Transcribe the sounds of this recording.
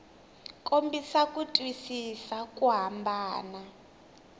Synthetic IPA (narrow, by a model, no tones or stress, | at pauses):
kʼombisakʼutʼwisisakʼuɦambaːna